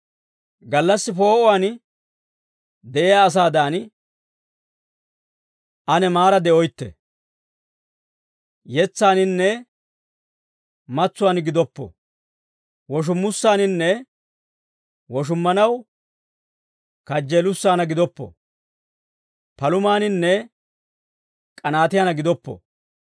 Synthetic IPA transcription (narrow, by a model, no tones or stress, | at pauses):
ɡɐlːɐsːɪpo̞ːʔɔwaːn | d̪ɛʔɛjaːs̬aːd̪aːn | ʔɐnɛmaːɾɐd̪ɛʔɔjt̪ːɛ̰ | jɛt͡sːaːnɪnːɛ | mɐt͡sːʊwaːnɡɪd̪ɔpːɔ̰ | wɔʃ̬ʊmːʊsːaːnɪnːɛ | wɔʃ̬ʊmːɐnɐw | kɐd͡ʒːeːlʊsːaːnɐɡɪd̪ɔpːɔ̰ | pɐlʊmaːnɪnːɛ | kʼɐnaːt̪ɪjanɐɡɪd̪ɔpːɔ̰